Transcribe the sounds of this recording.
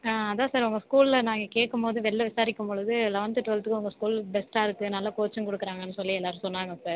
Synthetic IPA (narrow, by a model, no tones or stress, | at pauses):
aːɐðaːsaːɾʊŋɡɐskuːlɪlɐnaːŋɡɐkeːʈkːɯmpoːðɯʋɛlːɐʋɪsaːɾɪkːɯmpɔɭɯðɯlɐʋɐnt̪ɯʈːʋɐɭɐt̪ːɯkːɯʊŋɡɐskuːlbɛsʈaːɪɾɯkːɯnɐlːaːkoːt͡ʃːɐ̃mkɔɽɯkːɪɾaːŋɡɐnːɯsɔlːiɛlːaːɾɯmsɔnːaːŋɡɐsaːɾ